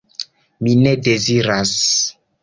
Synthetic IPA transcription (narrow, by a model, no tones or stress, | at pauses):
minedeziɾas